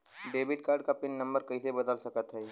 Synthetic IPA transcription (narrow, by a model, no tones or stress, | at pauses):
ɖeːbɪʈ̚kaːɾɖkapɪnːɐ̃mbəɾkɐisebɐd̪əlsɐkət̪ɦɛː